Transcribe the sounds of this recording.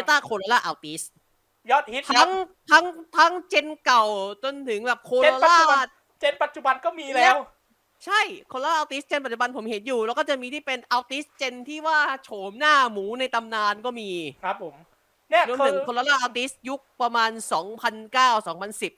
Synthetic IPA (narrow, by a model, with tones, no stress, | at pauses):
e˧t̪aː˥˩kʰoː˧ɾa˧laː˥˩ʔaː˧wt̪i˦˥s | jɔ˦˥t̪̚hi˦˥t̪ʰa˦˥ŋt̪ʰa˦˥ŋt̪ʰa˦˥ŋt͡ɕe˧nka˨˩wt͡ɕo˧nt̪ʰɯ˩˦ŋbɛː˨˩p̚kʰoː˧ɾaː˧laː˥˩ | t͡ɕe˧npa˨˩t̪̚t͡ɕu˨˩ba˧nkɔː˥˩miː˧lɛː˦˥w | t͡ɕʰa˥˩jkʰoː˧lːla˥ʔaː˧wt̪i˦˥s̚t͡ɕe˧npa˨˩t̚t͡ɕu˨˩ba˧npʰo˩˦mhe˩˦njuː˨˩lɛː˧˦˥wkɔ˥˩t͡ɕa˨˩ʔmiː˧t̪ʰiː˥˩pe˧nʔa˧wt̪i˦˥s̚t͡ɕe˧nt̪ʰiː˥˩waː˥˩t͡ɕʰoː˨˩˦mnaː˥˩muː˩˦na˧jt̪a˧mnaː˧nkɔː˥˩miː˧kʰa˦p̚ʰːo˩˦m | nɛ˥˩no˧˥˧nt̪ʰɯ˨˩˦ŋʰoː˧laː˧laː˥˩ʔaː˧wt̪i˦˥s̚ju˦˥k̚pɾa˧maː˧nsɔː˩˦ŋpʰa˧nkaː˥˩wsɔː˩˦ŋpʰa˧nsi˨˩p̚